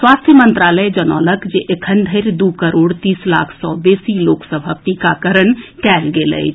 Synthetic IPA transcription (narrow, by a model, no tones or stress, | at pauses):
swaːst̪ʰjəmə̃nt̪ɾaːləjd͡ʒənɔ̰ːləkd͡ʒeʔekʰənd̪ʱəɪɾd̪ukəɾoːɽt̪iːsla̰ːkʰsɔːbeːsiloːksəbʱaʈikakəɾəɳkɛːlɡelə̰j